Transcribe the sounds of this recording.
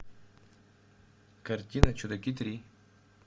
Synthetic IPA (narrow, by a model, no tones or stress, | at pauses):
kaɾt̪ʲinat͡ʃud̪akit̪ɾi